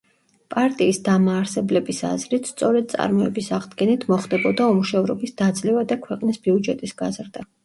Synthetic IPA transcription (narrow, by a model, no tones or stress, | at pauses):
pʼaɾt̪ʼiːsd̪amaːɾsɛblɛbisa̰zɾit̪ʰst̪sʼɔɾɛd̪̚t̪sʼa̰ɾmɔɛbisaʁd̪ɡɛnit̪ʰmɔχd̪ɛbɔd̪aɔmuʃɛvɾɔbisd̪̥ad̪zlɛvad̪akʰwɛqʼnisbiud͡ʒɛt̪ʼisɡ̥azɾd̪a